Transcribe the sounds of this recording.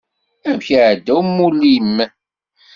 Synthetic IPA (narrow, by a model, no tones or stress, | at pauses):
æmçəʕd̪ːæwmːulːijəmːæ